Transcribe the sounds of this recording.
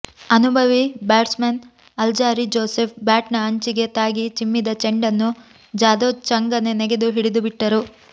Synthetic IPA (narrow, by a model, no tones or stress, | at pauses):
ɐnubʱɐʋibaːʈsmɐn | ɐld͡ʒaːɾid͡ʒoːsep̚ʰbaːʈnɐɐɲt͡ʃiɡe̞t̪aːɡit͡ʃimːid̪ɐt͡ʃeɳɖɐnːu | d͡ʒaːd̪ot͡ʃɐŋɡɐne̞neɡed̪uɦiɽid̪ubiʈːɐɾu